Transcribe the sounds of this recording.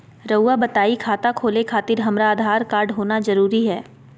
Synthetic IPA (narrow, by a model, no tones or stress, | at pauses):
ɾəwːabɐt̪aːikʰaːt̪akʰoːlekʰaːt̪ɪɾɦɐmɾaːd̪ʱaːɾkaːɾɖɦoːnazɐɾuːɾiɦɛː